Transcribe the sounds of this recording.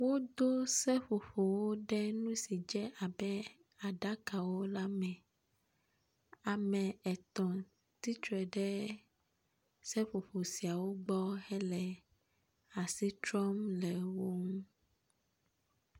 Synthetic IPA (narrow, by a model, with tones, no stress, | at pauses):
wo˦d̪o˦sɛ˦ɸo˨ɸo˨wo˦ɖɛ˦nũ˦si˨d͡ʒɛ˦ʔa˨bɛ˦ | a˨ɖa˦ka˨wo˦la˦mɛ̃˨ | a˨mɛ̃˨ɛ˨t̪ɔ̃˨ | t̪i˦t͡ʃɾɛ˨ɖɛ˦ | sɛ˦ɸo˨ɸo˨si˨a˨wo˦ɡ͡bɔ˦hɛ˦lɛ˨ | a˨si˦tɾɔ˦mlɛ˨wo˦ŋũ˦